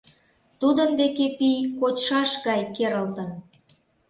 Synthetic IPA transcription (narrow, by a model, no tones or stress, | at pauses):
t̪ud̪ənd̪ekepijkot͡ɕʃɑʃɣɑjkeɾəlt̪əm